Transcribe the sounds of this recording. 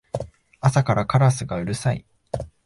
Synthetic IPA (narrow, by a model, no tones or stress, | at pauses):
asakaɾʔakaɾasɨɡaɯ̟ɾɯ̟saḭ